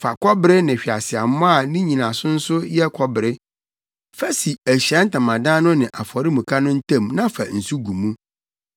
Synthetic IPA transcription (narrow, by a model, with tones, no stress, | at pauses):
fa˨kʰɔ˦bɪ˦ɾɪ˦nɪ̃˨ɕᶣi˨a˨sɪ˨a˨m˦mɔ̃˦a˦˨nĩ˦ɲĩ˨nã˨sʊ˦n̩˦sʊ˦jɛ˦kʰɔ˦bɪ˨ɾɪ˦ | fæ˦si˨æ˨ɕɛ̃˦n̩˦tã˨mã˨dã˦nʊ̃˦nɪ̃˨ʔa˨fɔ˨ɾɪ˦mũ˨kʰa˦nʊ̃˦n̩˦tʰã˦˨mnã˦fa˨n̩˨su˦ɡu˨mũ˦